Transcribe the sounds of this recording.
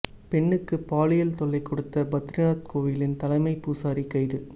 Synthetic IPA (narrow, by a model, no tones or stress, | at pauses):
pɛɳːɯkːɯpaːlɪjɐlt̪ɔɭːɐɪkːɔɽɯt̪ːɐbɐt̪ːɾɪnaːt̪̚koːʋɪjlɪnt̪ɐlɐɪmɐɪpːuːsaːɾikːɐɪðɯ